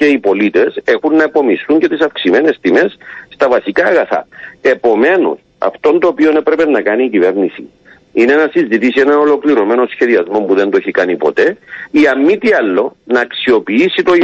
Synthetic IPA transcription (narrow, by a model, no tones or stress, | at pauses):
e̞ipo̞lit̪e̞se̞xunːɐepo̞mist̪uɲce̞t̪isɐfksime̞ne̞st̪ime̞sst̪ɐvɐsikaːɣɐθɐ̰e̞po̞me̞no̰s | ɐ̰ft̪o̞nt̪o̞ːpio̞ne̞pɾe̞pe̞nːɐkɐniːcive̞ɾnisḭ | ineenɐsizit̪isienɐno̞lo̞kliɾo̞me̞no̞sçe̞ðiɐzmo̞mpuðe̞nt̪oeçikɐnipo̞̰t̪e̞iɐmːit̪iɐlːo̞nɐːksio̞piisit̪o̞